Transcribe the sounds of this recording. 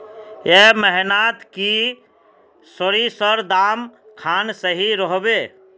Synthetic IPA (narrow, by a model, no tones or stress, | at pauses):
jeməɦnat̪ki | səɾisəɾd̪aːmkʰaːnsəɦiɾɔɦbeː